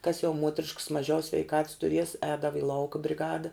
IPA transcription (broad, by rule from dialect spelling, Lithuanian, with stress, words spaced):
kɐs jɛʊ ˈmuɔtʲrʲɪʃkɐs mɐˈʒʲɛʊ sʲʋʲɛɪˈkɐts tʊrʲiɛs ˈɛːdɐʋɐ ɪ ˈlˠɐʊkɐ bʲrʲɪˈɡɑːdɐ